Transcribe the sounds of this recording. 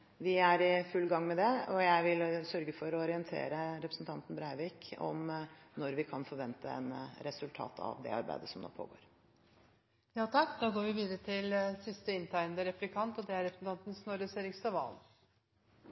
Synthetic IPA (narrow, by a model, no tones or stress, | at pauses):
ʋɪæɾɪfʉlːɡɑŋːmɛd̪ɛɔjæɪʋɪlsœɾɡəfɔɾɔɔɾɪənt̪ʰḛːɾəɾɛpʰɾəsn̩t̪ʰɑnt̪n̩bɾæɪəʋɪːkɔ̰mnɔɾʋɪkʰɑnfɔɾʋɛnt̪əɛ̰nɾɛsʉlt̪ʰɑ̰ːt̪ʰɑ̰ʋd̪ɛ̰ɑɾbæ̰ɪd̪əsɔmd̪o̰ːpʰo̰ːɡo̰ːɾ | jɑːt̪ʰɑkːd̪ɑːɡoːɾʋɪʋiːd̪əɾət̪ʰɪlsɪst̪əɪnt̪ʰæɪnd̪əɾɛplɪkʰɑnt̪ɔd̪ɛæɾɛpɾəsn̩t̪ʰɑnt̪n̩snoːɾəseːɾɪkst̪ɑʋɑ̰l